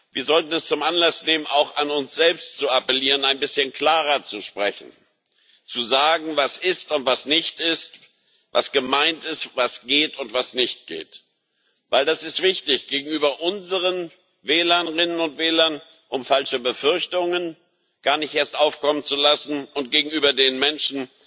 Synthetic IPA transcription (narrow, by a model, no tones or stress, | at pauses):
viːɐzɔltn̩ɛst͡sʊmʔanlasneːmənaʊxanʊnsz̥ɛlpstt͡suapəliːʁənaɪnbɪsçənkʰl̥aːʁɐt͡suʃpʁ̥ɛçn̩ | t͡suzaːɡŋ̩vasɪstʊntv̥asnɪçtɪst | va̰sɡ̥əmaɪntɪstvasɡ̥eːtʊntv̥asnɪçt̚ɡ̥ḛːt | vaɪldasɪstv̥ɪçtɪçɡ̥eːɡŋ̩yːbɐʔʊnzəʁən | vɛːlɐnʁɪnənʊntv̥ɛːlɐn | ʔʊmfalʃəbəfʏɐçtʊŋən | ɡ̥aːɐnɪçtʔeːɐstʔaʊfkɔmənt͡sulasn̩ʔʊnt̚ɡ̥eːɡŋ̩yːbɐdeːnmɛnʃn̩